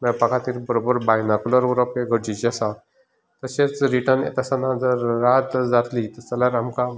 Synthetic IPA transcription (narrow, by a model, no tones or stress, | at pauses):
mɛpakat̪iːɾbəɾobəɾbajnakuləɾuɾəpeɡʱəɽd͡ʑit͡ɕasa | t̪əɕet͡sɾiʈəɾnḛt̪asanad͡zəɾːat̪d͡zat̪lit̪əsalaɾamka